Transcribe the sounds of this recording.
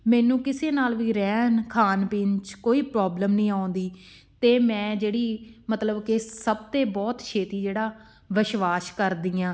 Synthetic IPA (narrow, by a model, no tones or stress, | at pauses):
mɛːnũːkɪseːnaːlʋiːɾɛːnkʰaːnpɪːnt͡ʃkoːiːpɾɔːbləmnəĩːaːʊnd̪iː | t̪eːmɛ̃ːd͡ʒeːɽiːmət̪ləbkesəb̚t̪eːbɔːt̪ʃʰeːt̪iːd͡ʒeːɽaː | ʋɪʃʋaːʃkəɾd̪iːãː